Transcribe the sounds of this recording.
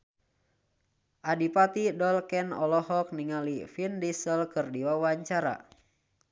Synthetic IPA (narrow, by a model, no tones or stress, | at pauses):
ʔadipat̪idɔlkɛnɔlɔɦɔk̚niŋalifindisəlkɨrdiwauwaɲt͡ʃaɾa̰